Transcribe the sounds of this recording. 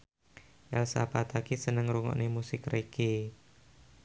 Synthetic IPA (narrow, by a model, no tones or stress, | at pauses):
ʔɛlsa̰pat̪akisənəŋɾuŋɔ̰ʔnemusɪkreki